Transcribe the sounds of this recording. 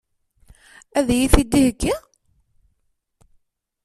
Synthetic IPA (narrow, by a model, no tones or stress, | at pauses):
æðjiθid̪ːihəkːi